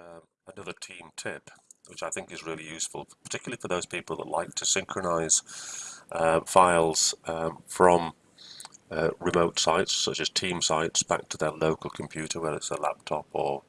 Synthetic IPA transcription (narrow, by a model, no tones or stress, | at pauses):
ənʌðətʰĩːmtʰɪpwɪt͡ʃaɪθɪ̃ŋkɪzɹɪːlijʉˑsfəlˠpʰə̥tʰɪkjl̩ˠlˠifəðoʊz̥pʰiˑpəl̩ˠðə̰ʔˡla̰ɪk̚tʰəsɪ̃ŋkʰɹənaɪz̥ʔʌfaɪlˠz̥ʌfɹə̃m | əɹɪmoʊtsaɪtsʌt͡ʃəz̥tʰĩmsaɪtsb̥a̰k̚tʰəðəloʊkəl̩ˠkʰə̃m̩pʰj̥ʉˑɾəwɛðəɹɪtsəla̰p̚tʰɒpə